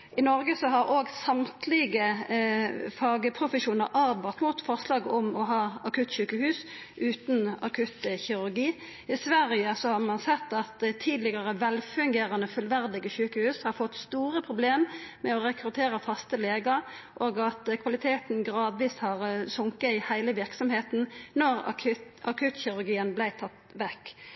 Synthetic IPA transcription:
ɪnɔɾɡəsɔɦɑɾoːɡsɑmt̪ʰlɪɡə | fɑːɡəpʰɾʊfəʃuːnəɾʔɑʁbɑt̪mʊt̪fɔʁslɑːɡɔmɔɦɑːɑkʰʉt̪ːɕʉːkəhʉːs | ʔʉːt̪nɑ̰kʰʉt̪çɪɾʉʁɡiː | ɪsʋæʁɪəsɔhɑʁmɑnsɛt̪ːɑt̪t̪ʰːiːd̪lɪɡɑʁəʋɛlfʉŋɡeːʁɑnəfʉlʋæʁd̪ɪɡəçʉːkəhʉːshɑɾfɔt̪st̪uːɾəpʰɾʊbleːmmɛɔɾɛkɾʉt̪ʰeːɾəfɑst̪əleːɡəɾ | ʔoːɡɑt̪kʰʋɑlɪt̪ʰeːt̪n̩ɡɾɑːd̪ʋiːshɑʁsʊŋkəɪhæɪləʋɪʁksɔmheːt̪nnɔʁʰɑkʰʉt̪çɪɾʉɾɡiːənblæɪt̪ʰɑt̪ːʋɛkː

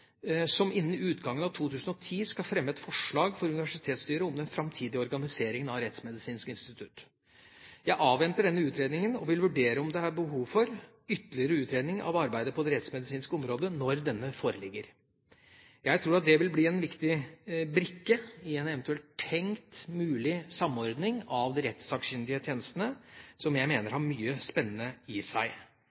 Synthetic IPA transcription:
sɔmɪnːn̩ʉːt̪ɡɑŋːənɑʋt̪ʰuːt̪ʰʉːsənɔt̪ʰiːskɑfɾɛmːəɛt̪fɔʂɭɑːɡfɔɾʉnɪʋæʂɪt̪ʰeːt̪st̪yːɾəɔmd̪ɛnfɾɑmt̪ʰiːd̪ɪəɔɾɡɑnɪseːɾɪŋənɑʋɾɛt̪smɛd̪ɪsiːnskəɪnst̪ɪt̪ʰʉt̪ | jæɪʔɑːʋɛnt̪əɖɛnːəʉːt̪ʰɾeːd̪nɪŋənɔʋɪlʋʉɖeːɾəɔmd̪ɛɑɾbəɦuːʋfɔɾ | ʏt̪ːəlɪəɾəʉːt̪ɾeːd̪nɪŋɑ̰ʋɑɾbæɪd̪əpʰɔd̪ɛɾɛt̪smɛd̪ɪsiːnskəɔmɾoːd̪ənɔɾd̪ɛnːəfoːɾəlɪɡːəɾ | jæɪt̪ʰɾuːɾɑt̪̚d̪ɛʋɪlbliːɛnʋɪkt̪ɪbɾɪkːəɪɛnɛʋɛnt̪ʉɛlt̪ʰɛŋt̪mʉːlɪsɑmːɔɾd̪nɪŋɑʋd̪ɪɾɛt̪sɑksʏnd̪ɪət̪ʰjeːnəst̪ənəsɔmjæɪmeːnəɾhɑɾmyːəspɛnːənəɪsæɪ

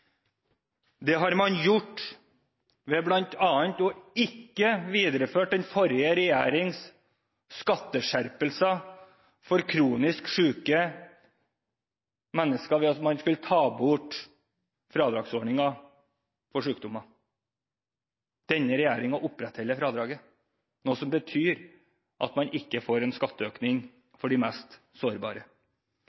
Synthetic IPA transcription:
d̪ɛɦɑɾmɑnjʊʈː | ʋeːblɑnt̪ɑːənt̪ɔɪkːəʋiːd̪ɾəføːʈ̚d̪ɛnfɔɾɪəɾɛjæ̰ːɾɪŋs | skɑt̪ːəʂæɾpəlsɑ | fɔɾkʰɾuːnɪskʂʉːkə | mɛnːəskɑʋɪɑt̪mɑnskʉlət̪ʰɑːbʊʈ | fɾɑːd̪ɾɑːɡsɔːɳɪŋɑ | fɔʂʉːk̚d̪ʊmɑ | d̪̥ɛnːəɾɛjæːɾɪŋɑʔʊpːɾɛt̪hɛlːəfɾɑːd̪ɾɑːɡə | noːsɔmbət̪ʰyːɾ | ʔɑ̰t̪mɑnʔɪkːəfoːɾɛnskɑt̪ːəøːknɪŋ | fɔɖɪmæːst̪ | soːɾbɑ̰ːɾə

